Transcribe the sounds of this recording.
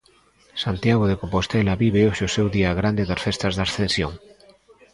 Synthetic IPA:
sant̪jaɣ̞oðekompost̪elaβiβeoʃeosewðiaɣɾand̪eðasfest̪azðasθẽnsjoŋ

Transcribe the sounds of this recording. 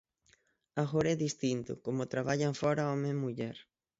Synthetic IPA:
aɣoɾɛðist̪int̪ʊ̰komot̪ɾaβ̞aʎaɱfɔɾaɔmẽmuʎɛɾ

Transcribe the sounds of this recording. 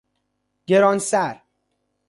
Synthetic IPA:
ɟ̥eɾɒːnsæɾ

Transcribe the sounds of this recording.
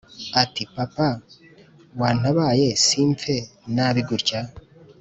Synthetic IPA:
atipapa | waːn̥aβajesiɱpfenaβiɡuɾca

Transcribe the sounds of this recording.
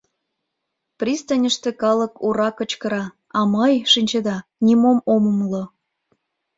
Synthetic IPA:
prʲist̪ənʲəʃt̪ĕkɑləkʰuɾɑkə̆t͡ɕkəɾɑ | ɑməjʃinʲt͡ɕed̪ɑnʲimomoməmlŏ

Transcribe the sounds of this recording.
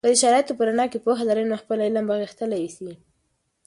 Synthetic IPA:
kəd̪əʃaɾɑjat̪opəɾanɑkepoxad̪aɾəjnaxpəlaɪlambaɣixt̪əlajsi

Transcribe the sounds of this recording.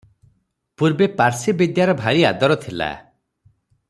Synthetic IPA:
puɾbepaɾsibid̪jaɾɔbʱaɾiad̪ɔɾɔt̪ʰila̰

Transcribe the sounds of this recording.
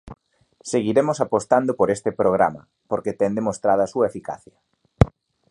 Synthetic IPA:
seɣiɾemʊsapost̪and̪opoɾest̪ɪpɾoɣ̞ɾa̰mɐ̰ | poɾket̪ɛnd̪emost̪ɾaðoasuɐefika̰θjɐ

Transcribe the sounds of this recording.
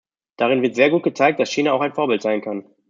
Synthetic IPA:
d̥aʁɪnvɪɐtz̥eːɐɡuːt̚ɡ̥ət͡saɪk̚t̚d̥asʃiːnaaʊxaɪnfoːɐbɪltz̥aɪnkʰan

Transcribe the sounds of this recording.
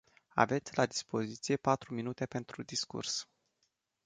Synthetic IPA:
a̰ve̞t̪sʲlad̪ispo̞zit̪sije̞pat̪ɾuminut̪e̞pe̞nt̪ɾud̪iskṵrs

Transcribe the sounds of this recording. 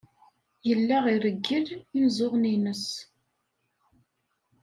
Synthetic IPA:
jəlːæʁiɾəɡːəðinzˤoʁninəs

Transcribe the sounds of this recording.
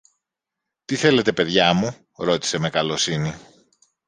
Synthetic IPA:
t̪iθe̞le̞t̪e̞pe̞ðʝɐmu | ɾo̞t̪i̥se̞me̞kɐlo̞sini

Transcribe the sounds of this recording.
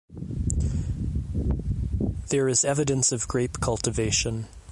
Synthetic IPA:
ðə˞ɨzɛvɨɾɨ̃nsʌvɡɹeɪpkʰʌlˠtɨveɪʃɨ̃n

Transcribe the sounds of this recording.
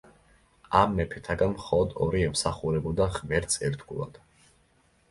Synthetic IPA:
amːɛpʰɛt̪ʰaɡanmχɔlˠɔd̪ɔ̰ɾiɛmsaχuɾɛbud̪aʁmɛɾt̪sʼɛɾt̪ɡulˠa̰d̪̥

